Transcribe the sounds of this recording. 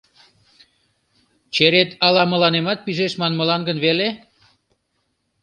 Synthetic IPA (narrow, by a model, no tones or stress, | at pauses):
t͡ɕeɾet̪ɑlɑmə̆lɑnemɑt̪̚piʒeʃmɑnməlɑnɡənβele